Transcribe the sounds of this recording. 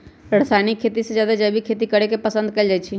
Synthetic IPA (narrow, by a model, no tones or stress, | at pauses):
ɾəɽsajnikʰːeːt̪ised͡ʒjaːd̪ad͡ʒəbʱikʰet̪ikəɾekepəsə̃nd̪̚kɛld͡ʒajt͡ʃʰi